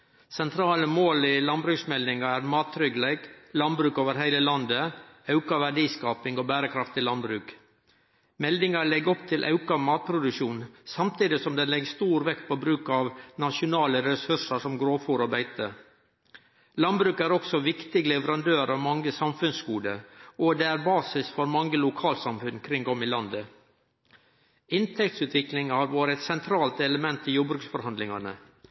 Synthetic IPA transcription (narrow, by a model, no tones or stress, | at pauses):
sɛnt̪ʰɾɑːləmoːlɪlɑnbɾʉːksmɛld̪ɪŋɑæɾmɑːt̪ʰːɾʏɡlæɪɡlɑnbɾʉːkoːʋəɾɦæɪləlɑnd̪əɑʉkɑʋæɖiːskɑːpɪŋoːbæːɾəkʰɾɑft̪ɪlɑnbɾʉːk | mɛld̪ɪŋɑɭɛɡɔpt̪ʰɪlʔɑ̰ʉkɑʋmɑːt̪̚pʰɾʊd̪ʉʂuːnsɑmt̪ʰiːd̪ɪsɔmd̪ɛnlɛɡst̪uːɾʋɛkt̪̚pʰoːbɾʉːkɑʋnɑʂʊnɑːləɾɛsʉʂəʂɔmɡɾoːfuːɾɔbæɪt̪ə | lɑnbɾʉːkæɾɔksɔʋɪkt̪ɪɡlɛʋəɾɑnd̪øːɾɑʋmɑŋːəsɑmfʉnskuːd̪əɔd̪ɛæɾbɑːsɪsfɔɾmɑŋːəlʊkʰɑːlt̪sɑmfʉnkʰɾɪŋɡɔmɪlɑnd̪ə | ɪnt̪ʰɛk̚t̪sʉːt̪ʋɪklɪŋɑhɑɾʋoːɾəɛt̪sɛnt̪ʰɾɑːlt̪ɛləmɛnt̪ɪjʊːɾbɾʉːksfɔɾhɑnd̪lɪŋɑnə